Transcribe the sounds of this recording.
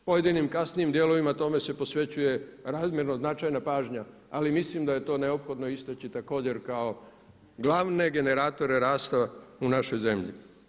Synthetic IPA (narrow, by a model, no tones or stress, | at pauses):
po̞je̞d̪inimkasniimd̪jelo̞ʋimat̪o̞me̞se̞po̞sʋe̞t͡ɕuje̞ɾaːzmje̞ɾnoznat͡ʃajnapaːʒɲa | alimislimd̪aje̞t̪o̞ːne̞opxo̞d̪no̞ist̪at͡ɕit̪ako̞ːd͡ʑe̞ɾkao̞ | ɡlˠaːʋne̞ɡe̞ne̞ɾaːt̪o̞ɾeɾaːst̪aunaʃo̞jze̞mʎḭ